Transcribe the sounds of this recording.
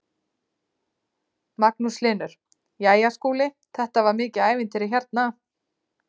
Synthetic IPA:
maknuslɪːnʏɾ̥ | jaːjaskuːlɪ | θɛht̪avaɾmɪːcɪaːjvɪnt̪ʰɪɾɪçɛɾt̪̚na

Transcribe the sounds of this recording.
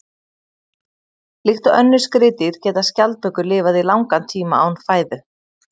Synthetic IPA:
lixt̪ʏʔœnːʏ̥skɾɪːt̪ɪɾ̥cɛːt̪ascalt̪̚pœkʏɾlɪːvaðilawŋkant̪ʰiːmaa̰wnfaːjðʏ

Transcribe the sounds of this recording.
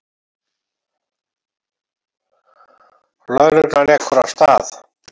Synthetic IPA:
lœðɾʏk̪naɾɛkːɔɾawst̪aːθ

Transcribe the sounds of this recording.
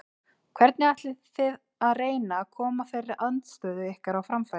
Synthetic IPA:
kʰvɛɾt̪nɪaht̪lɪθɪð | aðreːjnakʰɔːmafɪɾɪɾʔant̪st̪œːðʏɛhkaɾawfɾamfa

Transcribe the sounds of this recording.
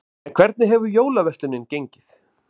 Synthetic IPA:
ɛnkʰvɛɾt̪nɪɦɛvʏɾjoːwlavɛst̪lɪnːɪncejɲcɪθ

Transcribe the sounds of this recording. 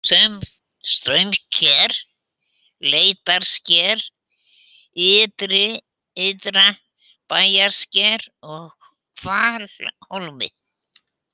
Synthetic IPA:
sɛm | st̪ɾœɥmcʰɛɾ̥ | leːjt̪aɾ̥scɛɾ | ɪːt̪ɾɪ | ɪt̪ɾa | paːjaɾ̥scɛɾɔɣ | kʰvaːɾholmɪ̰

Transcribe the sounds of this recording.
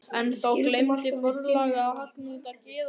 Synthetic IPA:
ɛnθowklɪjmt̪ɪfʊɾlaːɣa

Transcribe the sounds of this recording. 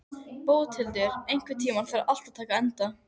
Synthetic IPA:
powðt̪ʰɪlt̪ɪɾejŋ̥kvɪt̪ʰiːmaɾ̥θɛɾaʔal̥t̪at̪ʰaːkaɛnt̪a

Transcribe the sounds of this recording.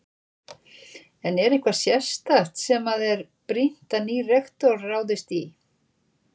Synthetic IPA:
ɛnɛɾehkvḁsjɛst̪aht̪sɛmaðɛɾpɾin̥t̪anirɛxt̪ɔrːaːwðɪst̪i

